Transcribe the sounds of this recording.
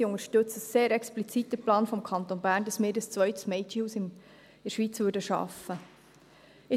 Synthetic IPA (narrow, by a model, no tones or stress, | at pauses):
iʊŋəɾʃtɵt͡səseːɾɛksplit͡sit̪ːəplɑːnfɔmkʰɑnt̪onbæːɾndɑsmɪːɾdəst͡sʋœʏt̪əsmɛɪtiusɪm | ɪʃʋiːt͡svʉɾdəʃɑ̰fːə | ɪ